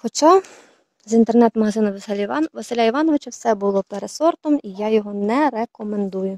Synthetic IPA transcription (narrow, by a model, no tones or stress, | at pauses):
xɔt͡ʃɑ | zint̪ernɛt̪mɐɦɐzɪnʊʋɐsɛlʲʋɐsɪlʲaiʋɑnɔʋɪt͡ʃɐwsɛbʊlˠɔpeɾesɔrt̪ɔmijajɔɦɔnɛɾekɔmend̪ujʊ